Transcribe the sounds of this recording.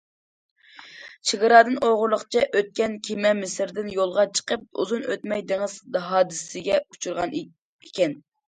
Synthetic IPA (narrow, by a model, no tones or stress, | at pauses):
t͡ʃʰeɡəɾɑːd̪ɨnʔoʁʊɾlˠəqt͡ʃʰɛʔøt̪̚kʲɛnkʲʰimɛmɪsɪɾd̪ɪnjolˠʁɑt͡ʃʰə̥qəp̚ṵzunø̰t̪mɛjd̪eŋɪzd̪ɦɑːd̪ɨssɪɡʲɛut͡ʃʰuɾʁɑn | ikʲɛn